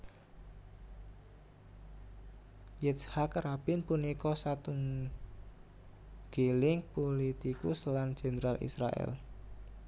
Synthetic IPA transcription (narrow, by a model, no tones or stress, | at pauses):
jɛshakɾab̥ɪnpunikɔsat̪uŋ | ɡ̥elɪŋpolit̪ikʊslan̥ʒ̥e̤nəɾalʔḭsɾa̰ʔɛ̰l